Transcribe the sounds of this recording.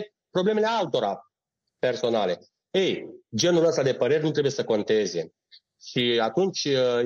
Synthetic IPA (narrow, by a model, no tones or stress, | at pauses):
pɾobleme̞le̞alt̪o̞ɾa | pe̞rso̞nale̞ | ejd͡ʒe̞nuləst̪ad̪e̞pəɾe̞ɾenut̪ɾe̞buje̞səko̞nt̪e̞ze̞ | ʃiat̪unt͡ʃʲ